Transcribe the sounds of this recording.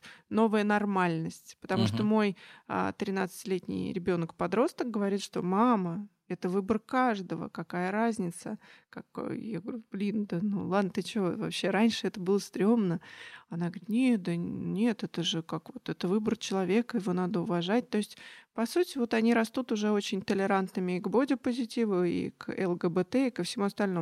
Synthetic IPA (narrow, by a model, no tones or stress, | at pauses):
no̞vəjənɐrmalʲnəsʲtʲpə̥t̪ɐmuʂt̪omo̞ja̰t̪ɾʲɪnat̪sɨ̥tʲɪlʲetʲnʲɪ̰jɾʲɪbʲo̞nkpɐd̪ɾo̞st̪ək̚ɡəvɐɾʲit̪ʂt̪o̞̰mamə | ɛt̪əvɨbərkaʐd̪əvə̰kɐkajəɾazʲnʲɪt̪səkakjaɡəvɐɾʲub̥lʲind̪ənṵlˠad̪nət̪ɨt͡ɕɪvovɐ̰pɕːe̞ɾanʲʂɨɛt̪əbɨlˠəst̪ɾʲo̞mnəɐnaɡəɾʲit̪nʲed̪ənʲe̞t̪ɛt̪əʐɨkakvo̞t̪ɛt̪əvɨbərt͡ɕɪlˠɐvʲe̞kəjɪvo̞nad̪əʊvɐʐat̚ʲt̪o̞ɪsʲtʲpɐsutʲɪvo̞t̪ɐnʲiɾɐst̪ut̪ʊʐɛot͡ɕɪnʲt̪əlʲɪɾant̪nɨmʲɪːɡbo̞dʲɪpəzʲɪtʲivəḭkɛ̰lˠɡəbɛt̪ɛɪkəfsʲɪmuɐst̪ɐlʲno